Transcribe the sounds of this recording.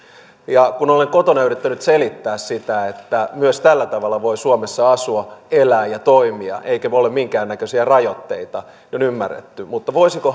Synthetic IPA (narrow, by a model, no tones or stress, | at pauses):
jɑkunoleŋkot̪onæyret̪ːænyt̪selit̪ːæːssit̪æet̪ːæmyøst̪ælːæt̪ɑʋɑlːɑʋoisuomesːɑɑsuɑelæːjjɑt̪oimiɑ̰ʔeikæolemmiŋkæːnnækøsiærɑjot̪ːḛit̪ɑ | onymːærːḛt̪ːymut̪ːɑʋoisiko